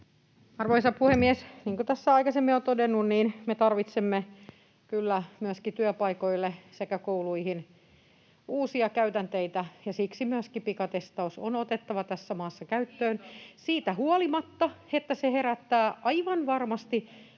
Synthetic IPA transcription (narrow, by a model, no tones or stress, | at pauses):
ɑrʋoisɑpuhemːiesniːŋkot̪æsːæɑikɑsemːiont̪odenːunniːnmet̪ɑrʋit̪semːe | kylːæmyøskit̪yøpɑikoilːesekækouluihin | uːsiɑkæyt̪ænt̪eit̪æjɑsiksimyøskipikɑt̪est̪ɑusonot̪et̪ːɑʋɑt̪æsːæmɑːsːɑkæyt̪ːøːnsiːt̪æhuolimɑt̪ːɑet̪ːæseheɾæt̪ːæːʔɑiʋɑnʋɑrmɑst̪i